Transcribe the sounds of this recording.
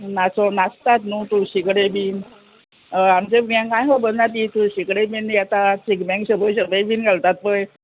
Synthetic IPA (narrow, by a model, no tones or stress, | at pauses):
nasɔnast̪at̪nut̪uɕikɽebin | amt͡ɕeɡjãŋkãjɦobənnat̪̬it̪uɕikɽebinjat̪at͡ɕikbɛ̃ŋɡɕəbʱəjɕəbəjbiːnɡʱalt̪at̪̚pəj